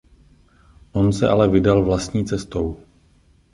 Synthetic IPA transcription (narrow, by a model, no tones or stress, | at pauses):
ʔo̞nsɛ̰ʔalɛvɪdalvlast̪ɲiːt͡sɛst̪o̞w